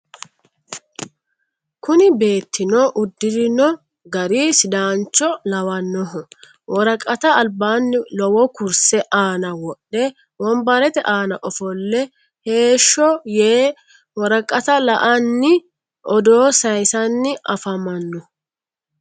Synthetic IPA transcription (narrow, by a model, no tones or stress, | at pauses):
kʊnɪbe̞ːt̪ːɪnɔʔʊd̪ːɪɾɪnɔ | ɡɐɾiːsd̪aːnt͡ʃːɔlɐwɐnːɔɦɔ | wʔɔɾɐkʼːɐt̪ɐːlbaːnːɪlɔwɔkʊɾsɛʔaːnɐwɔɗːɛ | wɔmbɐɾɛt̪ɛʔaːnɐʔɔfɔlːɛ | he̞ːʃːɔjeː | wɔɾɐkʼːɐt̪ɐlɐʔɐnːɪ | ʔɔd̪oːsɐjsɐnːɪɐfɐmɐnːɔ